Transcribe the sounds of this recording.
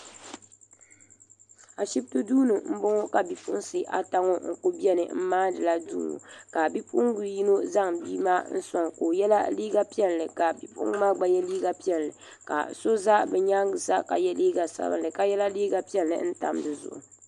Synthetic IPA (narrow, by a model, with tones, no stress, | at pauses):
a˨ʃi˦bto˦duː˦nɨ˨m̩˦bʊ˦ŋo˦ka˨bi˨pu˦ʔnsɨ˦ʔa̰˨ta˦ŋo˦ŋ̩˦ko˦bi˦ɛ˦nɨ̰˨m̩˦maː˦dɨ˨la˦dṵː˦nṵ˨ka˨bi˦pu˦ʔŋ˦ɡu˨ji˦no˦za˦ŋbiː˦maː˦n̩˦sa˨ŋko˨jɛ˦la˦liː˦ɡa˦pi˦ɛ˦llɨ˨ka˨bi˨pṵ˦ʔɡma˦ɡ͡ba˨jɛ˦liː˦ɡa˨pi˦ɛ˦˨lːɨ˨ | ka̰˨so˦za˦bɛ˨ɲa˦ŋɡɨ˨sa̰˦ka̰˨jɛ˦liː˦ɡa˨sa̰˦bɨ̰˦ndɨ˨ka˨jɛ˦la˦liː˦ɡa˦pi˦ɛ˦lːɨ̰˨n̩˦ta̰˨mdɨ˨zʊ̰˨ʔʊ̰˨